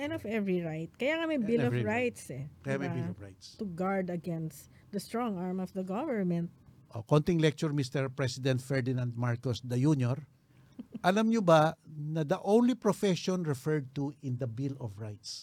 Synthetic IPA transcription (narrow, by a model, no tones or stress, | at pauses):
ʔɛ̃nɔvɛvɹiɹajt̪̚kɐjaŋɐmɐjbilɔɹajt̪sɛkɐjamɐjbilɔvɹa̰jt̪st̪ʊɡaɹd̪ɐɡɛnst̪ | d̪ɐst̪ɹɔ̃ŋaɹmɔvd̪ɐɡɔvɛɹmɛ̃nt̪̚ʔo̰kont̪ɪŋlɛk̚t͡ʃʊɹmist̪ɛɹpɹɛsɪd̪ɛnt̪fɛɹd̪ɪnãnd̪̚maɹkɔsd̪ɐjunjɔɹ | ʔɐlamɲʊbanɐd̪ɐʔõwnlipɹɔfɛʃɔnɹɛfɛɹd̪̚t̪uɪnd̪ɐbilɔfɹajt̪s